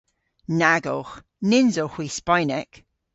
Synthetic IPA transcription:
naɡɔ̰x | nɪnzoxwispajnɛk

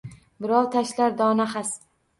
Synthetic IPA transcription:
bɪɾɒwt̪ʰaʃlaɾd̪ɒnaχas

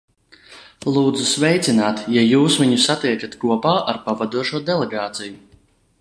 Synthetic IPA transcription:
lˠuːd̪zusvɛjt̪sinaːt̪jajuːsviɲusat̪iɛk̪ʲat̪kuɔpaːʔaɾpavad̪uɔʒuɔd̪ɛlˠeɡaːt̪siju

